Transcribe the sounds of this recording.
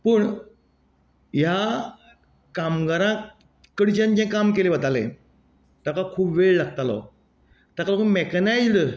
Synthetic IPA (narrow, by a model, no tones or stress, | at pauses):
pəɳ | ja | kamɡaɾã | kəɽit͡ɕãɲt͡ɕẽkamkelebət̪alḛ̃ | t̪akakʰuːbʋeɭlaɡ̚t̪alɔ̰ | t̪akalokəmekanajd͡zlə